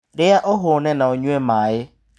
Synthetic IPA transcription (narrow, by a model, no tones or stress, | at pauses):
ɗɪaʔɔɦʊnɛnaɔɲwɛmaːɪ